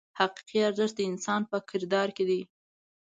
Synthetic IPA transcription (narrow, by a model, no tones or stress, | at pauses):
haqi̥qiaɾzəʃ̚d̪əɪnsɑnpəkʰɪɾd̪ɑɾked̪i